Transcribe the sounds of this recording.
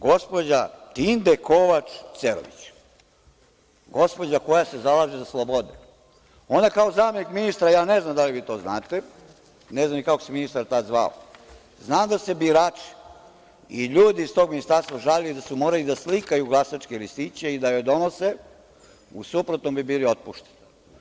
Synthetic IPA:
ɡo̞spo̞d͡ʑat̪ind̪eko̞ʋat͡ʃt̪seɾo̰ʋḭt͡ɕ | ɡo̞spo̞d͡ʑako̞jase̞zalaːʒezaslˠobod̪ḛ | o̞nakaozaːme̞nikminist̪ɾajaːneznamd̪aliʋiːt̪o̞ːznaːt̪e | neznamnikakoseminist̪aɾt̪ad̪zʋa̰o̰ | znaːmd̪ase̞biɾaːt͡ʂi̥ | iʎuːd̪iːst̪o̞ɡminist̪aɾst̪ʋaʒaʎed̪asumo̞ːɾalid̪aslikajuɡlˠasat͡ʃkelist̪it͡ɕeid̪ajojd̪o̞nose | usupɾot̪nombibiːlio̞t̪̚puʃt̪e̥ni

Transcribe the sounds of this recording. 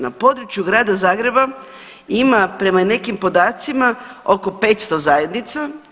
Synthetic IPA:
napo̞d̪ɾut͡ʃjuɡɾaːd̪azaːɡɾe̞ba | imapɾe̞mane̞kimpo̞d̪aːt̪simao̞ko̞pe̞ːt̪st̪o̞zaje̞d̪nit̪sa

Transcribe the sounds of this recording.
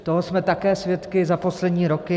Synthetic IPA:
t̪oɦosmɛt̪akɛːsvjɛt̪kɪzapo̞slɛdɲiːɾokɪ

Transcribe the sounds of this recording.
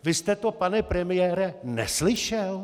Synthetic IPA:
vɪst̪ɛt̪opanɛpɾɛmɪjɛːɾɛnɛ̰slɪʃɛl

